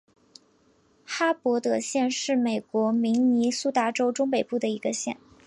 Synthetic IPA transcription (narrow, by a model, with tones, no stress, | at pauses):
xa˥pwɔ˧˥t̪ɤ˨˧˩ɕjɛ˥˧nʂɻ̩˥˩me˨˩ɪkwɔ˧˥mi˧˥ŋni˧˥su˥t̪a˥ʈ͡ʂo˥ʊʈ͡ʂʊ˥ŋpe˨˩ɪpu˥˩d̪ə˩i˧˥ɡə˧ɕjɛ˥˩n